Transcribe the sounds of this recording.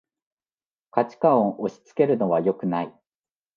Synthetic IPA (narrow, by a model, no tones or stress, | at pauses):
kat͡ɕi̥kaõʔoɕi̥t͡sɨ̥ke̞ɾɯ̟no̞β̞ajo̞kɯ̟nai